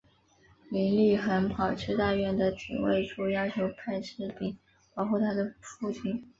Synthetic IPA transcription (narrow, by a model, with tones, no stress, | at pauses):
li˧˥nli˥˩xə˧˥npʰɑ˨˩ʊʈ͡ʂʰɻ̩˥˧t̪a˥˧ɥɛ˥˩nd̪ə˩t̪ʰḭ˨˩wḛ˥˧ɪʈ͡ʂʰu˥˩jɑ˥ʊt͡ɕʰjo˧˥ʊpʰa˥˧ɪʂʰɻ̩˥˩pi˨˩˦ | pɑ˧˥ʊxʰu˥˩t̪ʰa˥d̪ə˨fu˥˩t͡ɕʰi˥˩n